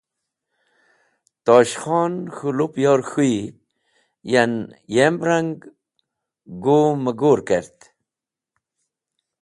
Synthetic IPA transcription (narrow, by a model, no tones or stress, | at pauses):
t̪oːɕxɔːnxulupjoːɾxui | janjembɾaŋɡ | ɡoməɡoːɾkeɾt̪